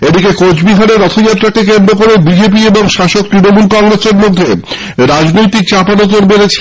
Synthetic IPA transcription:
ed̪ikekod͡ʑʰbiɦaɾeɾɔt̪ʰod͡ʑaʈːɾakekend̪ɾokoɾebid͡ʑep̬ieboŋʃaʃok̚t̪ɾinomulkɔŋɾeseɾmod̪ʱːe | ɾad͡ʑnojt̪ik̚t͡ɕapanot̪oɾbeɾet͡ɕʰ

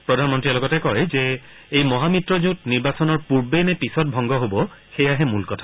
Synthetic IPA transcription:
pɹɔdʱanmɔntɹiɛlɔɡɔtɛkɔjzɛ | ejmɔɦamitɹɔzũt̚niɹbasɔnɔɹpuɹbenɛpisɔt̚bʱɔŋɡɔɦobɔxejaɦɛmulkɔtʰḁ

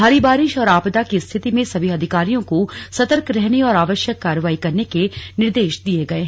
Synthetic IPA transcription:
bʱaːɾibaːɾɪʃɔːɾaːpd̪akist̪ʰɪt̪imẽsɐbʱiɐd̪ʱɪkaːɾijõkosɐt̪əɾkɾɛɦniɔːɾaːʋəʃjəkːaːɾəʋaːikɐɾnekenɪɾd̪eːʃd̪ieɡɐeːɦ

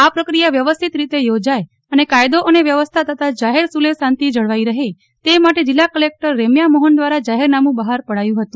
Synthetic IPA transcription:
apɾəkɾijaʋjəʋəst̪ʰit̪ɾit̪ejod͡ʒaj | ənekajd̪oʔəneʋjəʋəst̪ʰat̪ʰət̪ʰad͡ʒaɦeɾsulesãnt̪id͡ʒəɽʋaiɾəɦe | t̪emaʈed͡ʒɪlːakəlek̚ʈəɾːemjamɔɦənd̪ʋaɾad͡ʒaɦeɾnamũbəɦaɾpəɽajũɦət̪ũ

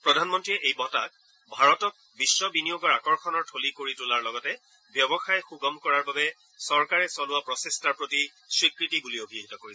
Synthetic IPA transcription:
pɹɔdʱanmɔntɹiɛʔejbɔta̰k̚ | bʱaɹɔtɔk̚bisːɔbinijoɡɔɹakɔɹxɔnɔɹtʰolikoɹitulaɹlɔɡɔtɛ | bjɔbɔxajxuɡɔmkɔɹaɹbabɛ | sɔɹkaɹɛsɔnʊwapɹɔsestaɹpɹoti | swikɹitibuliobʱiɦitɔkoɹiɛ

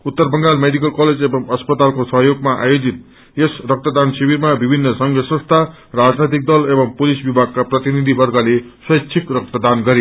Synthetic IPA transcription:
ut̪ːʌrbʌŋɡalmeɖik̬ʌlkʌled͡zebʌŋʌspʌt̪alkosʌɦjoɡmaʔa̰jod͡zit̪̚ | esrʌk̚t̪ad̪ansibiɾmabibʱinːʌsʌŋɡʌsʌ̃st̪ʰa | rad͡znʌt̪̬ik̚d̪ʌlebʌŋpulisbibʱaɡ̚kaprʌt̪inid̪ʱibʌrɡʌle | swʌjksʰikrʌk̚t̪ʌd̪anɡʌɾe

